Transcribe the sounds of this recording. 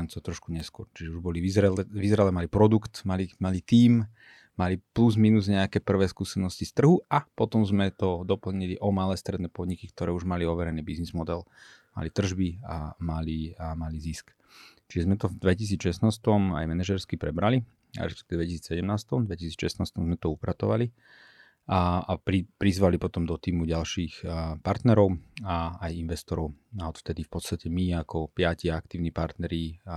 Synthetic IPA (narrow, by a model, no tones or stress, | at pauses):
nt͡sɔt̪ɾɔʃkuɲɛskʊɔɾt͡ʃiʒɛuʒbɔliʋizɾɛʋizɾɛlɛmalipɾɔd̪ukt̪malimalit̪iːm | malipluzminuzɲɛakɛːpr̩ʋɛːskuːsɛnɔscist̪r̩ɦuapɔt̪ɔmzmɛt̪ɔd̪ɔpl̩ɲiliʔɔmalɛːst̪ɾɛd̪nɛːpɔd̪ɲikikt̪ɔɾɛːuʒmaliɔʋɛɾɛniːbiznizmɔd̪ɛl | ma̰lit̪r̩ʒbia̰maliamalizisk | t͡ʃiʒɛzmɛt̪ɔvd̪ʋɛcis̬iːt͡sʃɛsnaːst̪ɔma̰jmɛnɛʒɛɾskipɾɛbɾalḭ | ɾɛ̰ʃpɛkt̪iʋd̪ʋɛcisiːt͡ssɛɟɛmnaːst̪ɔmd̪ʋɛcisiːt͡sʃɛsnaːst̪ɔmzmɛt̪ɔupɾat̪ɔʋa̰li | aapɾipɾizʋalipɔt̪ɔmd̪ɔt̪iːmuɟalʃiːxpaɾt̪nɛɾɔʊaːjinʋɛst̪ɔɾɔʊaɔt̪ft̪ɛd̪ifpɔt̪st̪acɛmiakʰɔpɪaciaak̚t̪iːʊnipaɾt̪nɛɾi